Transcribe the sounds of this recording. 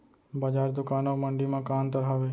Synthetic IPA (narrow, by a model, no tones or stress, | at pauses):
bəd͡ʒaːɾd̪ʊkanoməɳɖimãkãːnt̪əɾɦaʋe